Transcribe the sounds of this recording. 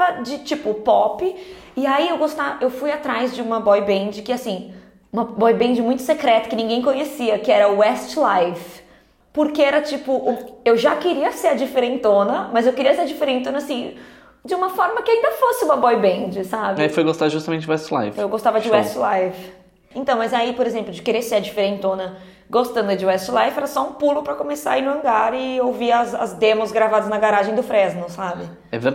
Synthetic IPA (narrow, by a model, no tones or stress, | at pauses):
ɐd͡ʒɪt͡ʃipʊpɔpɪ | ɪaiewɡost̪avɐʔewfujat̪ɾajzd͡ʒɪũmɐbɔjbẽd͡ʒɪkɪasĩ | ũmɐbɔjbẽnd͡ʒɪmũj̃t̪ʊ̥sekɾɛt̪ʊ̥kɪnĩŋɡẽj̃kõɲesiɐkɪɛɾɐʊɛst͡ʃlajf | poɾkeɛɾɐt͡ʃipʊʔuewʒakɪɾiɐseɾɐd͡ʒifeɾẽnt̪õnɐmɐzewkɪɾiɐseɾd͡ʒifeɾẽt̪õnasĩ | d͡ʒɪũmɐfɔɾmɐkɪaĩnd̪ɐfosɪũmɐbɔjbẽnd͡ʒɪsabɪaifojɡost̪ad̪ʒust̪ɐmẽt̪t͡ʃɪd͡ʒʊwɛst͡ʃla̰jvɪ̃ewɡost̪avɐd͡ʒɪwɛst͡ʃɪlajvɪ | ẽnt̪ɐ̃w̃mɐzaipoɾezẽmplʊd͡ʒɪkeɾeɾseɐd͡ʒifeɾẽnt̪õnɐ | ɡost̪ɐ̃nd̪ʊd͡ʒɪwɛst͡ʃɪlajvɛɾɐsɔũpulʊpɾɐkomesa̰ɐinʊɐ̃ɡaɾɪowviɐzɐ̰zd̪ẽmʊzɡɾavad̪ɐznɐɡaɾaʒẽj̃d̪ʊfɾɛznʊsabɪ | ɛveɾ